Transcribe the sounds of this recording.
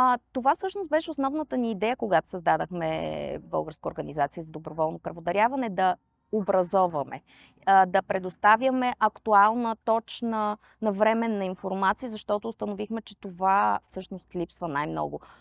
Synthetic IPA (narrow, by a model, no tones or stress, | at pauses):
t̪ovafsɤʃnost̪̚bɛʃɛosnɔvnət̪əniːd̪ɛjəkoɡat̪o̥səzd̪ad̪əxmɛ̰bɤ̰lˠɡəɾskəoɾɡɐnizat̪siəzɐd̪obɾovɔlˠnopɾɐvod̪ɐɾʲjavɐnɛd̪ɐ | obɾɐzɔvɐmɛ̰ | d̪ɐpɾɛd̪ost̪avʲjəmɛʔɐkt̪ualˠnət̪ɔt͡ʃnə | nɐvɾɛmɛnɐinfoɾmat̪siizɐʃt̪ɔt̪ʊːst̪ɐnovixmɛt͡ʃɛt̪ovafsɤʃnost̪lʲipsvənajmnɔ̰ɡo